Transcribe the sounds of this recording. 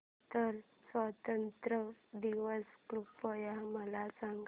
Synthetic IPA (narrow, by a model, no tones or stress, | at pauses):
t̪əɾ | sʋat̪ənt̪ɾəd̪iʋəsklupːəjaməlasaŋɡ